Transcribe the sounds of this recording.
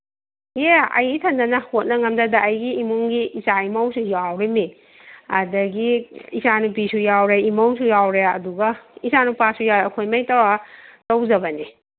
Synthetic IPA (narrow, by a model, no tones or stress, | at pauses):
jeɐ̰jɡitʰɐndɐnɐhot̚nɐŋɐmdɐdɐːjɡiːmuŋɡiːsaimawsujawɾemi | ɐdɐɡiisanubisujawɾeimawsujawɾeɐduɡɐisanupasujaɐkʰojmajtawatawzɐbɐni